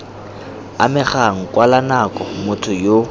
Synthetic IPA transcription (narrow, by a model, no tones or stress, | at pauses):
a̰mɪχaŋ̩kʼwalanakʼɔmʊtʰʊjo